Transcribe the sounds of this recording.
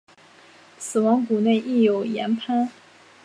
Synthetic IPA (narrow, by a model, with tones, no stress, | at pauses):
sɹ̩˨˩wɑ˧˥ŋku˨˩ne˥˧ɪʔi˥˩jo˨˩ʊjɛ̰˧˥npʰa˥n